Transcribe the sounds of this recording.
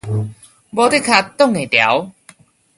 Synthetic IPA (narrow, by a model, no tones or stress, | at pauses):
bɔt̪ekʰat̪ːɔŋet̪ea̰w